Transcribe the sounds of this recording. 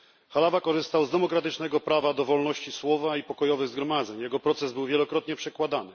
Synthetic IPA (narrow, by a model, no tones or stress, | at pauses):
xalavakɔʐɘst̪awzd̪ɛmɔkɾat̪ɘt͡ʂnɛɡɔpɾavad̪ɔvɔlnɔɕt͡ɕiswɔvaipɔkɔjɔvɘɣzɡɾɔmad̪zɛɲjɛɡɔpɾɔt̪sɛzbɘwvʲjɛlɔkɾɔt̪ɲɛpʂɛkwad̪anɘ